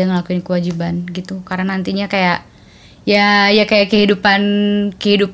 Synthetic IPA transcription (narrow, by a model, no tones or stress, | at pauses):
aŋəlakuɪnkəwad͡ʒibanɡit̪ukaɾanant̪iɲakajaʔ | jajakajaʔkəɦidupankəɦidup